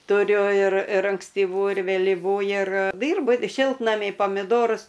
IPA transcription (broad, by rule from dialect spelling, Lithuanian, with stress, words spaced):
tʊˈrʲʊ ɪr ɪr ɐŋksʲtʲiːˈʋuː ɪr ʋʲeːlʲɪˈʋuː ɪr ˈdʲiːrbʊ ˈʃʲɪlˠtnɐmʲiː pɐmʲɪˈdoːrʊs